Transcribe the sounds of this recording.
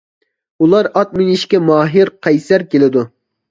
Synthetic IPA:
ulˠɑɾɑt̪̚mɪniʃkʲɛmɑːɦiɾqʰɛjsæɾkʲelɪd̪u

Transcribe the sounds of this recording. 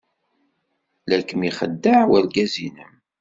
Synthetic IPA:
lækːəmiχə̰d̪ːaʕwæɾɡæzinəm

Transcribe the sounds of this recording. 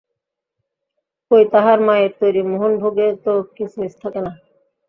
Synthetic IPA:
kojt̪aɦaɾmaet̪ojɾimoɦonbʱoɡet̪okit͡ɕʰunist̪ʰakena

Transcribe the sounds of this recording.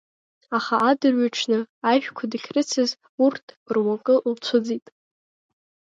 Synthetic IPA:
aχaʔːdɨrɥaʈ͡ʂʰnɨaʒᶣkʷʰadɨχʲʰrɨt͡sʰɨz | urtʰ | rwakʼɨlt͡sʷʰʊd͡zitʼ

